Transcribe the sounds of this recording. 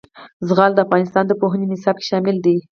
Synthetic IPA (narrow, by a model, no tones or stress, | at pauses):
zɣɑld̪əafɣɑnɪst̪ɑnd̪əpoɦənenɪsɑb̚ke̥ʃɑmɪld̪i